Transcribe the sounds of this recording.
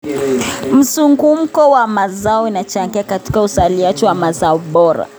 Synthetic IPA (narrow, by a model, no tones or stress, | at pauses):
m̩suŋɡum̩kɔwamazaɔinat͡ʃaŋɡiakati̥kausaliat͡ʃɛwamazaɔɓɔɾa̰